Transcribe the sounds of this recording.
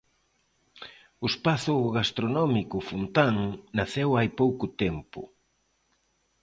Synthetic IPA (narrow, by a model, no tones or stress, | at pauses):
ʊspaθʊɣast̪ɾonɔmikʊfunt̪aŋnaθewajpowkʊt̪ɛmpʊ̰